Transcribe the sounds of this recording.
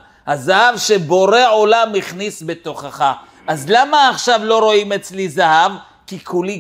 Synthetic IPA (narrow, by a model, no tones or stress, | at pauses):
hazahavʃeboɾeʕolamːiχnisbet̪o̞χaχa | ʔazlamaːχʃavlo̞ɾo̞imet͡slizahav | kikʰuli